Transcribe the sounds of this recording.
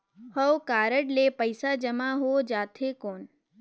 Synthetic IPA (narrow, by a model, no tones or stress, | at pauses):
həwkaːɾəɽlepəɪsad͡ʒəmaɦod͡ʒaːt̪ʰɦekoːn